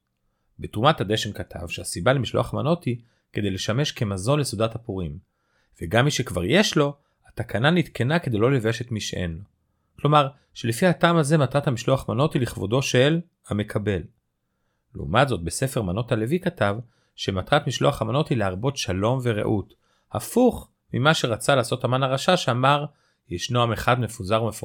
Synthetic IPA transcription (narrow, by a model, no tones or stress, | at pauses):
betʁumathad̪eʃe̞mkat̪ʰa̰vʃeasibalemiʃlo̞̰aχmano̞thi | ke̞d̪e̞jle̞ʃame̞ʃke̞mazo̞nlesud̪athapuʁim | v̥eɡamːiʃekva̰ʁje̞ʃlo̞ | atakʰananit̪kʰe̞nake̞d̪ejlo̞leveʃe̞tmiʃʔḛno | klomaʁ | ʃe̞lefihataːmaze̞mat̪ʁathamiʃlo̞aχmano̞tiliχvo̞do̞ʃel | hame̞kʰabe̞l | leṵmatzo̞t̪̚be̞se̞feʁmano̞tale̞vikatav | ʃematʁatmiʃlo̞aχamano̞thileaʁbo̞tʃalo̞mve̞ʁḛʔut | hafuχ | mimaʃe̞ʁat͡salaːso̞thamanaʁaʃaʃeamaʁ | jeʃnoameχadme̞fuzaʁumefo